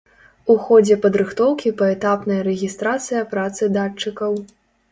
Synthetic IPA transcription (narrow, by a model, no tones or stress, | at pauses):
uxɔd͡zʲɛpɐd̪ɾɨxt̪ɔwkʲipɐɛt̪apnɐjɐɾɛɣʲist̪ɾat̪sɨjɐpɾat̪sɨd̪at͡ʂːɨkɐw